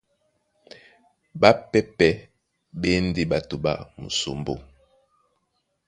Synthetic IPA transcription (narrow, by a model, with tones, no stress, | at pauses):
ba˦pɛ˦pɛ˦ | ɓe˦n˦di˦ba˨tu˨ba̰˦mṵ˨so̰˨mbo̰˦